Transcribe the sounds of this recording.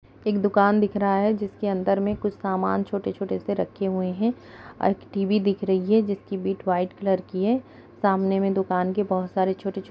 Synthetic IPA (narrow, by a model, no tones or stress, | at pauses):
eːkd̪ʊkaːnd̪ɪkʰɾɐɦaɦɛd͡ʒɪskeɐ̃nd̪əɾmẽkʊt͡ʃʰsaːmaːnt͡ʃʰoːʈet͡ʃʰoːʈeseɾɐkʰːeɦueɦɛ̃ | ɔ̰ːɾeːkʈiːbid̪ɪkʰɾɐɦiɦɛd͡ʒɪskibiːʈʋaːɪʈkləɾkiɦɛː | saːmnemẽd̪ʊkaːnkebɐɦʊt̪saːɾet͡ʃʰoːʈe